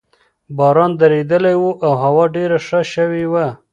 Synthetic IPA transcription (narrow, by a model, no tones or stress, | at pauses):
bɑɾɑnd̪aɾed̪əlajwuʔawhawɑɖeɾaʂaʃəwewa